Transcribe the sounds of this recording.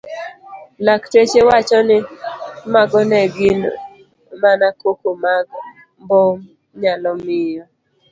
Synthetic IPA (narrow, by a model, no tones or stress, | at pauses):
laktet͡ʃewat͡ʃɔnɪmaɡɔnɛɡɪn | manakokomaɡ | bɔ | ɲalɔmɪjɔ